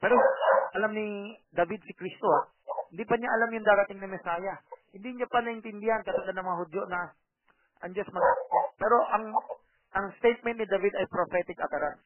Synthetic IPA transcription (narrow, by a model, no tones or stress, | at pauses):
pɛːɾoʔɐlamnɪd̪ɐvid̪̚sɪkɾist̪oa | hɪnd̪iːpɐɲaʔɐlamjʊŋd̪aːɾɐt̪ɪŋnɐmɛsaːjɐhɪnd̪iɲapɐnɐʔɪnt̪ɪnd̪ɪhankɐt̪ɐɡanɐŋmɐŋaɦʊd̪jonɐ | ʔɐŋd͡ʒɐsmɐɡapɛːɾo̞ʔɐŋ | ʔɐŋst̪ejt̪̚mɛnt̪nɪd̪avid̪ɐjpɾofɛt̪ɪkɐt̪ɐɾan